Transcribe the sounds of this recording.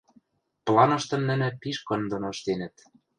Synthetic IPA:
plˠɑnɤ̆ʃt̪ɤ̆mnɘ̆nɘ̆piʃkɤ̆nd̪onoʃt̪enə̆t̪

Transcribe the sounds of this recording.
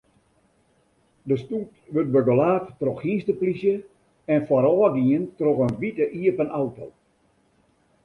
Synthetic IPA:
dəstutʋøt̚bəɡolaːftroxhinstəplisjə | ɛnfɔɾɔːɡiəntroxənʋitəʔiəpənawto̰l

